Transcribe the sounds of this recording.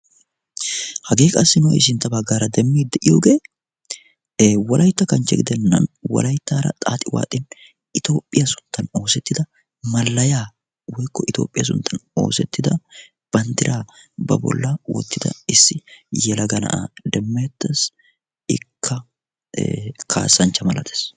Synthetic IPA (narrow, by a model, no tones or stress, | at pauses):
hɐɡe̞ːkʼasːɪnoɪ̰s̬ɪnt̪ːɐbɐɡːaːɾɐd̪ɛmːiːd̪ːɛʔɪjo̰ːɡe̞ː | wɐlʔɐjt̪ːɐkɐnt͡ʃːɛɡɪd̪ɛnːɐ̰nwɐ̰lɐjt̪ːaːɾɐ̰t̪ʼa̰ːt̪ʼɪwa̰ːt̪ʼːɪn | ʔɪt̪o̞ːpʼːɪjɐsʊ̥nt̪ʰːɐno̞ːsɛt̪ːɪd̪ɐ | mɐlːɐjaː | wɔjkːɔʔɪt̪oːpʼːɪjɐs̬ʊ̰nt̪ʰːɐno̞ːsɛt̪ːɪd̪ɐ | b̥ɐnt̪ɪɾʔaːbɐ̰bɔ̰lːɐwɔ̰t̪ːɪd̪ɐ̰ɪsːɪjɛlɐɡɐnɐ̰ʔa̰d̪ɛmːɐjɛt̪ːes | ɪ̰kʰːɐ | kʰa̰ːsːɐnt͡ʃːɐmɐlɐt̪ʰe̥s